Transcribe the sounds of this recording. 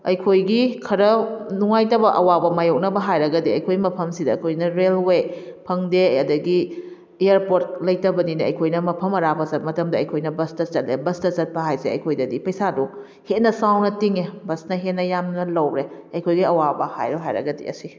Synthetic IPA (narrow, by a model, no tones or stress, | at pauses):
ɐjkʰojɡikʰɐɾɐnuŋajtɐbɐʔɐwabɐmajok̚nɐbɐɦajɾɐɡɐdiɐjkʰojmɐpʰɐmsidɐɐkʰojnɐɾelwe | pʰɐŋdeadɐɡi | ejɐɾpoɾtlɐjtɐbɐninɐɐjkʰojnɐmɐpʰɐmɐɾabʰɐsɐmɐtɐmdɐɐjkʰojnɐbɐstɐt͡ʃɐt̚lebɐstɐt͡ʃɐt̚pɐɦajseɐjkʰojdɐdipɐjsadu | hetnːɐsawnɐtiŋebɐsnɐɦenːɐjamnɐlɐwɾeɐjkʰojɡiɐwabɐha̰jɾɐbɦajɾɐ̰ɡɐdḭɐ̰si